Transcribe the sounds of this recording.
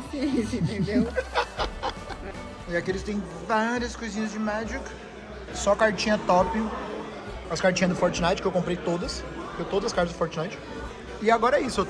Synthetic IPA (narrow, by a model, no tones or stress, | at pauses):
isĩt̪ẽd̪ew | ɪakielɪst̪ẽj̃ | vaɾiɐskojzĩɲɐzd͡ʒɪmɛd͡ʒikɐ̥ | sɔkaɾt͡ʃĩɲɐt̪ɔpi | ɐskaɾt͡ʃĩɲɐd̪ʊfɔɾt͡ʃɪnajt͡ʃɪ̥kɪewkõmpɾejt̪od̪ɐsk̪ewt̪od̪ɐzɐskaɾt͡ʃɐzd̪ʊfɔɾt͡ʃɪnajt͡ʃɪ̥ | ɪaɡɔɾɐɛisʊew